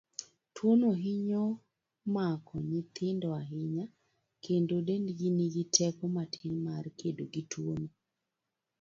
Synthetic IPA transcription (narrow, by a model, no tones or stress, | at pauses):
twonoɦɪɲo | makʰɔɲɪt̪ɪndɔaɦɪɲa | kʰendodendɡiniɡitʰɛkɔmatʰɪlmarkʰedoɡitʰwono